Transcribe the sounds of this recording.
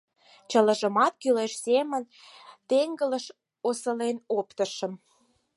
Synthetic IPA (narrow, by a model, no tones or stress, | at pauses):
t͡ɕələ̆ʒəmɑt̪̚kyleʃsemən | t̪eŋɡələʃ | osəlenopt̪əʃə̆m